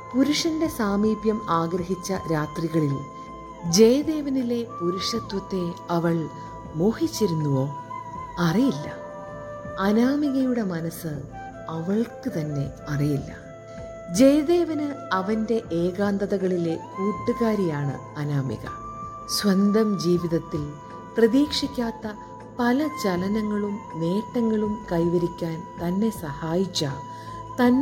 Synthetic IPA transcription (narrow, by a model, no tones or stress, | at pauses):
puɾuʂɐnde̞saːmiːbjɐmaːɡɾɐɦit͡ɕːɐɾaːt̪riɣɐɭil | d͡ʑejd̪e̞ːʋɐnile̞puɾuʂɐt̪wɐt̪ːe̞ɐʋɐɭ | moːhit͡ɕːiɾunːuʋo̞ː | ɐrijilːɐ̰ | ɐnaːmiɣɐjuɽe̞mɐnɐsɨ | ɐʋɐɭkɨt̪ɐnːe̞ | ɐrijilːɐ̰ | d͡ʑejðe̞ːʋɐnɨɐʋɐnde̞ʔeːɣaːnd̪ɐðɐɣɐɭile̞kuːʈːuɣaːɾijaːɳɨ̰ | ɐnaːmḭɣɐ̰ | swɐnd̪ɐmd͡ʑiːʋiðɐt̪ːil | prɐðiːkʂikʲːaːt̪ːɐ | pɐlɐt͡ɕɐlɐnɐŋːɐɭumːe̞ːʈːɐŋːɐɭumkɐjʋɐɾikʲːaːnt̪ɐnːe̞sɐhaːjit͡ɕːa | t̪ɐnː